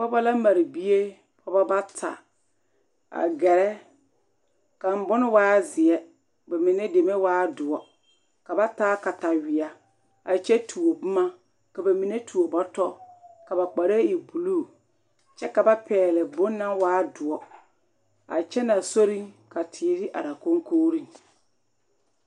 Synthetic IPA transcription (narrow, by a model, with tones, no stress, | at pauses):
pɔ˦ba˦la˦ma˨ɾi˨bi˦e˦ | pʰɔ˦ba˦ba˦tʰa̰˨ | a̰˨ɡɛ˨ɾɛ˦ | ka˨m̩˨bʊ˦nɪ˦waː˦zɪ˨ɛ˦ | ba˨mi˨ne˦de˨me˦waː˦dʊ˨ɔ˦ | ka˨ba˦taː˦ka˨ta˨wɪ˨a˨ | a˨t͡ʃɛ˦tʰu˨o˨bʊ˦ma˦ | ka˨ba˨mi˨ne˦tu˨o˨bɔ˦tɔ˦ka˨ba˨k͡pa˨ɾe˦i˨bu˨luː˦˨ | t͡ʃɛ˦ka˨ba˦pɛː˨lɛ˨bʊ˦nːa˦waː˦dʊ˨ɔ˦ | a̰˨t͡ʃɛ˦na˨so˦ɾi˦ŋka˨tʰiː˨˦ɾi˦ʔa̰˨ɾa˨ko˦ŋkoː˦ɾi˦ŋ